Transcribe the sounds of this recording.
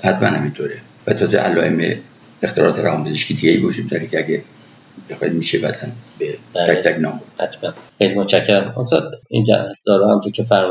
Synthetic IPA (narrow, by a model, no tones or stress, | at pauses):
hæt̪mæ̰nhæmint̪ʰoːɾe | væt̪ʰɒːzḛʔælɒːʔeme | ext̪eɾɒ̰ːt̪ʰeɾæ̰hɒmb̪ezeʃkʰid̪iɡejibeud͡ʒud̪̚d̪ɒːɾekʲʰeæɡʲe | b̥exɒːid̪miːʃebæd̪ænbetæækt̪ʰæknɒːmoɾd̪̥hæt̪ʰmænxejlimot͡ʃʰæcʰːeɾæmost̪ɒ̰d̪ḭnt̪æ̰d̪ɒɾɔhæmt̪ʰoɾkʲʰefæɾ